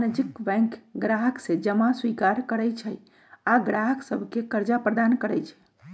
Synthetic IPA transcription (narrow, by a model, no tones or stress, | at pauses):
nəd͡ʒikbɛ̃ŋkɡɾaɦəksẽd͡ʒəmaswikaɾkəɾɛjt͡ʃʰɛ | aɡɾaɦəksəbʱkekəɾd͡ʒapɾəd̪ankəɾɛjt͡ʃʰɛ̥